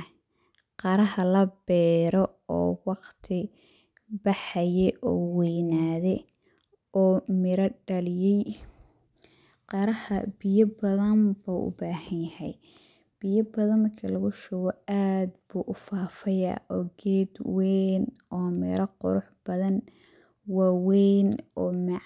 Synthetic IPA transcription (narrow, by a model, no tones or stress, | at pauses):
qɑɾɐɦɐlɐbɛːɾɔ | ɔ̰ːwɑqt̪ʰɪ | bɑħɐjɛʔɔːwɛjnaːðɛ | ɔːmɪɾɐɖɐlɪjɛj | qɑɾɐhɐ̰bɪjɐbɐðɐmbuʔʊ̰baːhɐnjɐhɛj | b̥ɪjɐbɐðɐnmɐrkʰɐlɐɣʊʃɔɣɔaːd̪buːʔʊfaːfɐja̰ʔɔːɡɛːd̪wɛn | ɔːmɪ̰ɾɐqʊ̰ɾʊħb̥ɐðɐn | waːwɛjnɔːmɪ